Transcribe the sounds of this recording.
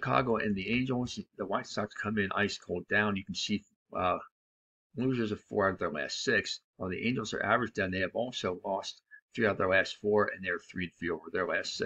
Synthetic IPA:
ʃɨkʰɑ̰ɡoʊʔɨ̰̃nðiẽɪ̃nd͡ʒl̩ˠzðəwaɪtsɑkskʰʌ̃mɪ̃nʔa̰ɪskʰoʊlˠdãʊ̃njɨkn̩si | ʌ | luzə˞zʌv̥fɔ̰ɹaʊɾʌvðə˞læ̰stsɪkswəlˠðiʔẽɪ̃nd͡ʒl̩ˠzə̰˞ʔæ̰və˞ɨd͡ʒdãʊ̃nðeɪɨvɔlˠsoʊlɔstθɹiʊðə˞læstfɔɹɨ̰̃nðeɪə˞θɹiɨ̃nfivə˞ðə˞læstsɪ

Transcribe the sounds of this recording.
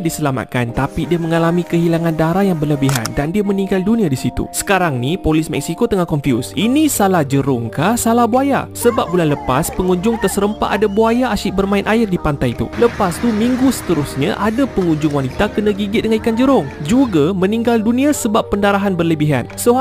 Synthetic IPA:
disəlama̰t̪̚kant̪apidiəmə̃ŋalamĩkəɦilaŋãndaɾahjaŋbərləbiɦa̰ndandiəmə̃nĩŋɡaldunĩadisit̪ṵsə̥kaɾaŋnipolɪsmɛ̰ksikot̪əŋakɔnfjṵsinĩsalahd͡ʒəɾʊŋkahsalahbuaja̰səbap̚bulanləpaspəŋuɲd͡ʒʊŋt̪ərsəɾəmpa̰ʔadabuajaʔaʃɪʔbərmãɪnʔaɪrdipant̪ajt̪ṵləpast̪umĩŋɡusə̥t̪əɾusɲaʔadapəŋuɲd͡ʒʊŋwanit̪akənãɡiɡɪt̪̚dəŋaikand͡ʒəɾʊŋd͡ʒuɡamə̃niŋɡaldunĩasəbapːəndaɾaɦanbərləbiɦa̰nsə

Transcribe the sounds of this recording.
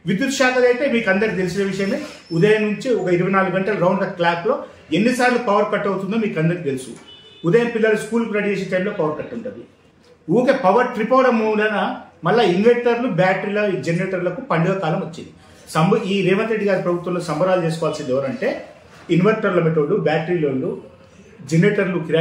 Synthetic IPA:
ʋid̪jut̪ʂaːkɐd̪ɐjt̪e̞ːmiːkɐnd̪ɐɾit̪̬e̞lusinɐʋiʂɐjɐme | ud̪ɐjɐmnuɲt͡ʃiɔkɐiɾuʋɐjnaːluɡuɡɐɳʈɐlɐɾɐwɳɖd̪ɐklaːplo̞ː | enːisaːɾlupɐʋɐɾkɐʈːɐwt̪und̪oːmiːkɐnd̪ɐɾit̪e̞lusṵud̪ɐjɐmpilːɐluskuːlpuɾɐɽit͡ʃeːsɐʈ̪ɐjmloːpɐʋɐɾkɐʈːuɳʈɐd̪u | uːkepɐʋɐɾʈɾipoːɾɐmunɖɐnɐmɐlːainʋeɳʈɐɾlubjaːʈɾilɐid͡ʒeneːʈɐɾlɐkupɐɳɖiɐkaːlɐmot͡ʃːind̪i | sɐmbɐiːɾeːʋɐt̪ɾeɖiɡaːɾipɾɐbʱut̪ʋɐmloːsɐmbʱɐɾaːlut͡ʃeːs̬ukɔːʋɐlsind̪ɛʋɐɾɐɳʈe̞ː | inʋɐɾʈɐɾlɐmeʈ̬oːlːubʲaːʈɾiloːlu | d͡ʒeneːʈɐɾlukiɾa

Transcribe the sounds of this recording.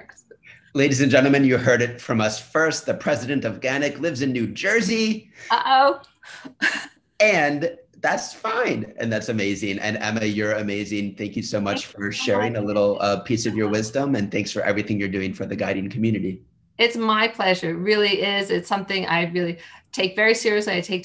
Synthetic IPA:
leɪɾizɨ̃nd͡ʒɛ̃ɾ̃l̩ˠmɨ̃njɨhɜ˞ɾɨtfɹʌ̃mʌsfɜ˞st̪̚ðɨpʰɹ̥ɛzɨɾɨ̃ntʌfɡ̥ænɨklɪvzɨ̃nːʉd͡ʒɜ˞ziʔoʊ | ɨ̃nðætsfãɪ̃nɨ̰̃nðætsɨmeɪzɪ̃ŋʔɨ̰̃nɛ̰̃mɨjə˞ɨmeɪzɪ̃ŋθæ̃ŋkjɨsoʊmʌt͡ʃfə˞ʃɛɹɪ̃ŋəlɪɾl̩ˠʌpʰisʌvjə˞wɪzdə̃mɨ̃nθæ̃ŋksfə˞ʔɛ̰vɹiθɪ̃ŋjə˞dʉɪ̃ŋfə˞ðɨɡaɪɾ̃ⁿn̩kʰmjʉnɨɾi | ɪtsmaɪpʰl̥ɛʒə˞ɹɪlˠiʔɪzɪtsʌ̃mθɪ̃ŋa̰ɪɹɪlˠitʰeɪkvɛɹisɪɹiɨsliaɪtʰeɪk̚

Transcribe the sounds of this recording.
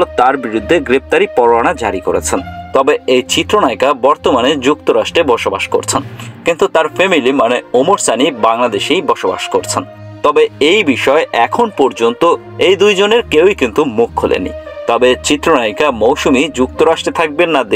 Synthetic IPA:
lot̪aɾbiɾud̪ʱːeɡɾep̚t̪aɾipɔɾoaɽ̃ad͡ʑaɾikoɾḛt͡ɕʰent̪ɔbeejt͡ɕit̪ːɾonajkabɔɾt̪omaned͡ʑukt̪oɾaʃʈɾebɔʃoba̰ʃko̰ɾt͡ɕʰenkint̪ut̪aɾfemilimaneomoɾsanibaŋlad̪eʃejbɔʃoba̰ʃkoɾt͡ɕʰen | t̪ɔbeejbiʃɔeʔɛkʰonpɔɾd͡ʑont̪o | ejd̪ujd͡ʑoneɾkewikint̪umukʰɦolʔḛnːḭt̪ɔbet͡ɕit̪ːɾonajkamowʃumid͡ʑuk̚t̪oɾaʃʈɾet̪ʰak̚benːad̪e

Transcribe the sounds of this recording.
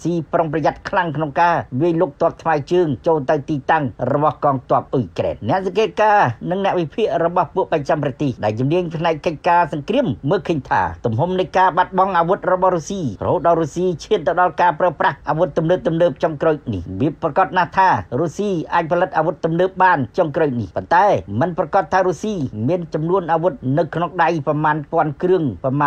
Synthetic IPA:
siːproŋprɑjat̪̚kʰlaŋkʰnoŋkaːʋiəjloːk̚t̪ŏəp̚t̪ʰmaɛt͡ɕəːŋt͡ɕoːlt̪ɨwt̪iːt̪aŋrɔɓɑhkɑːŋt̪ŏəp̚ʔuikrɛ̰ːnːɛ̆əʔsɑŋkeːt̪̚kaːnɨŋnɛ̆əʔʋipʰiəʔrɔɓɑhpuəʔprat͡ɕamprɑt̪eːhɗaɛlt͡ɕumniəɲpʰnaɛkːəc̚kaːsɑŋkriəmːəːlkʰəːɲt̪ʰa̰ːt̪umɦumnɨjkaːɓat̪̚ɓɑŋʔaːʋut̪̚rɔɓɑhrusiːrɔ̰hoːt̪̚ɗaɔɾusiːt͡ɕʰiənt̪ɨwɗɑlkaːpraəprahʔaːʋut̪̚ːumnəːp̚t̪umnəːp̚t͡ɕoŋkroːc̚nihʋiəprɑkɑt̪̚naht̪ʰaːruːsiːʔʔaːc̚pʰɑlɨt̪̚ʔaːʋut̪ːumnəːp̚ɓaːnt͡ɕoŋkroːc̚nihpont̪aɛmɨnprɑkɑt̪ʰːaːɾusiːmiənt͡ɕɑmnuənʔaːʋut̪̚nɨwkʰnoŋɗajpɑmaːnpŏənkrɨəŋpɑma

